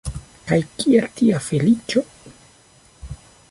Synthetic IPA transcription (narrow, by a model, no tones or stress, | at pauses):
kajkieltiafelit͡ʃo̞